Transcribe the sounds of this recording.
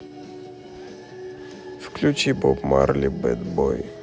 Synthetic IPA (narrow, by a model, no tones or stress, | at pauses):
fklʲut͡ʃibɔpma̰ɾlʲibɛd̪bɔj